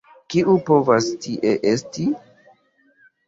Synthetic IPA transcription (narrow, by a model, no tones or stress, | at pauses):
kiʔupo̞vastiʔe̞ʔesti